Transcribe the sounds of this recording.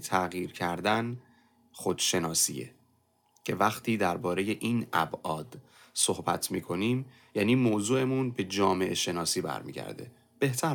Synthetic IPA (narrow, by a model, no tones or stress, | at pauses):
t̪ʰæɣjiːɾcʰæɾd̪æn | xo̞d̪̥ʃe̞nɒːsḭːjḛ | cʰe̞væχt̪ʰiːd̪æɾbɒːɾe̞je̞ʔinʔæbʔɒːd̪̥ | so̞hbæ̰t̪ʰmiːkʰo̞niːm | jæːniːmoːzuːe̞munbe̞d͡ʒɒːme̞ʔeʃe̞nɒːsiːbæ̰ɾmḭːɟæ̰ɾd̪e̞̰ | b̥e̞ht̪ʰæ